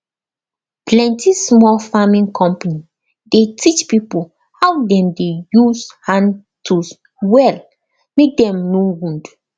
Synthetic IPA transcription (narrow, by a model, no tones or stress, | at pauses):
plɛ̃ntismɔlfamĩnkʰɔ̃mpani | detʰit͡ʃpipol | hawdɛ̃mdejuzhãn | tʰus | wɛl | mek̚dɛ̃mnowũnd